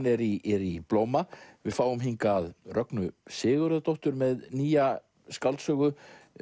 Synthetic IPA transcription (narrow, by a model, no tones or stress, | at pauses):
nɛɾiɛɾiploːwmavɪðfaːwʏmɦiŋkaːðrœknʏsɪːɣʏɾʏðat̪ɔwht̪ʏɾmɛðniːja | skalt̪sœːɣʏ